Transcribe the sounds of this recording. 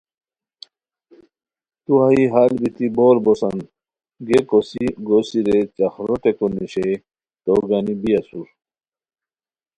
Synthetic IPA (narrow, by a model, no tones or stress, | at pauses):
t̪uɦaiɦalbit̪iboːɾbosɐn | ɡekosiɡosiɾet͡ɕɐxɾoʈekoniɕe | t̪oɡanibijɐsuɾ